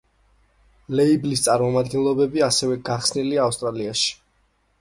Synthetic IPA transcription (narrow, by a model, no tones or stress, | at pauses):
lɛiblist̪sʼaɾmɔmad̪̚ɡɛnlˠɔbɛbiasɛvɛɡaχsniliaːfst̪ʼɾaliaʃi̥